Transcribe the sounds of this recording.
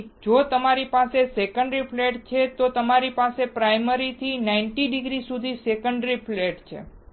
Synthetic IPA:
d͡ʒot̪əmaɾipasesekəɳɖəɾipʰleʈt͡ʃʰet̪ot̪əmaɾipasepɾajməɾit̪ʰinaiɳʈiɖɪɡɾisud̪ʱisekəɳɖɾipʰleʈt͡ʃʰḛ

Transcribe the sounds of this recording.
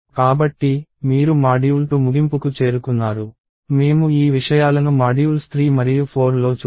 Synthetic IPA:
kaːbɐʈːimiːɾumaːɖijult̪oːmuɡimpukut͡ʃe̞ːɾukunːaːɾu | me̞ːmuiːʋiʂɐjaːlɐnumaːɖijulst̪ɾiːmɐɾijupʰo̞ːɾnlo̞ːt͡ʃ

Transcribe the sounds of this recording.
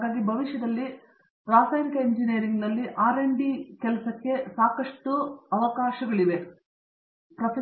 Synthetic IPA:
ɡaːɡibʱɐʋiʂjɐd̪ɐlːi | ɾaːsaːjnikɐeɲd͡ʒinejːɾiŋɡnɐlːiʔaːɾeɳɖikɛlɐsɐkːe̞saːkɐʂʈuɐʋɐkaːʃɐɡɐɭiʋe | pɾɐt̪ɐ

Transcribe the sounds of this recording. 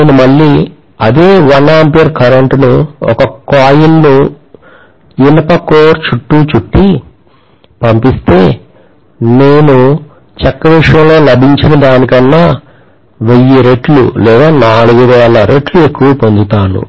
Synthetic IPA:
numɐɭːiː | ɐ̰d̪eːʋɐnaːmpijɐɾkɐɾɐɳʈnuɔ̰kɐkaːjilnu | inɐpɐkoːɾt͡ʃuʈːuːt͡ʃuʈːi | pɐmpist̪e̞ː | neːnu | t͡ʃɐkːɐʋiʂjɐŋlo̞ːlɐbʱiɲt͡ʃinɐdaːnikɐnːaː | ʋejːiɾe̞ʈlṵlɛːɡ̪aːnaːɭuɡuʋɛːlɐɾeʈlue̞kːuʋɐpo̞nd̪ut̪aːnṵ

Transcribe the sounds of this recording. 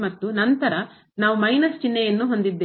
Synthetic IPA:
mɐt̪ːunɐnt̪ɐɾɐ | naːʋumɐjnɐst͡ʃinːɛjɐnːuɦond̪id̪ːeː

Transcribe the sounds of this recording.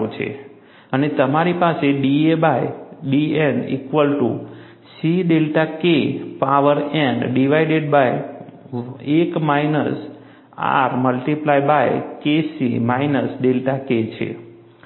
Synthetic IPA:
ut͡ʃʰḛ | ənet̪əmaɾipaseɖiebajɖienḭkʋəlʈu | siɖelʈakepaʋəɾenɖiʋaiɖeɖbaj | ekmajnə̰s | a̰ɾməlʈiplajbajkesimainəsɖelʈaket͡ʃʰḛ

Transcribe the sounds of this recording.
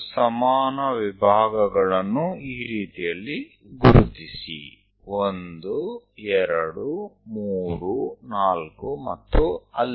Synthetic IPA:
sɐmaːnɐʋibʱaːɡɐɡɐɭɐnːuiːɾiːt̪ijɐlːi | ɡuɾut̪isḭ | ond̪uɛɾɐɽumuːɾunaːlkumɐt̪ːuɐlː

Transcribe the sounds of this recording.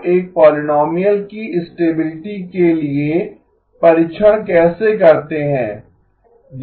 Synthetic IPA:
eːk̚pɔːlɪnɔːmijəlkiɪsʈeːbɪlɪʈikelie | pɐɾɪt͡ʃʰəɽ̃kɛːsekɐɾt̪eɦɛ̃ː | d͡ʒ

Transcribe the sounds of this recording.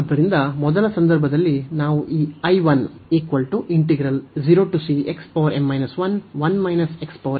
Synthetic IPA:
ɐd̪ːɐɾind̪ɐmɔd̪ɐlɐsɐnd̪ɐɾbʱɐd̪ɐlːinaːʋuʔiːɐjʋɐneːkʋɐlʈuʔiɳʈeɡɾɐld͡ʒiɾoːʈusiekspoːɾemːɐjnɐsʋɐnʋɐnmɐjnɐsekspoːɾ

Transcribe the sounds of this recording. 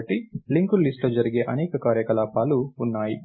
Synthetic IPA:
ʈːiliŋkulisʈloːd͡ʒɐɾiɡeːʔɐneːkɐkaːɾjɐkɐlaːpaːluːnːaːji

